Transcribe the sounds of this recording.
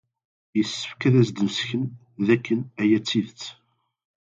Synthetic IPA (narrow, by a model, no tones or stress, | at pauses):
jəsːə̥fkæðæsd̪usçən | ðækːənæjæt͡sːiðt͡sː